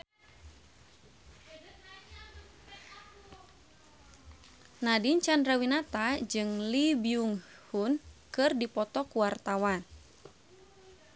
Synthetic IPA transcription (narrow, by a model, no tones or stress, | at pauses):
nadint͡ʃandɾawinat̪ad͡ʒɨŋlibiuŋhunkɨrdipɔt̪ɔkuwart̪awan